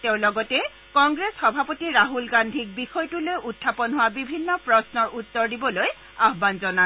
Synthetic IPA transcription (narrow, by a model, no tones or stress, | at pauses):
teʊ̃lɔɡɔtɛ | kɔŋɡɹesxɔbʱapotiɹaɦulɡandʱik̚bixɔjtulojʔutʰːapɔnɦʊwabibʱinːɔpɹɔsnɔɹʔutːɔɹdibɔloj | aɦbanzɔna